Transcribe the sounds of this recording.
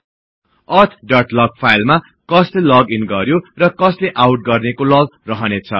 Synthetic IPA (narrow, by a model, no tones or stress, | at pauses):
ʌrt̪ʰɖʌʈlʌɡ̚pʰajlma | kʌslelʌɡinɡʌɾjorʌkʌsleʔawʈ̚ɡʌrnekolʌɡrʌɦʌnet͡sʰʌ̰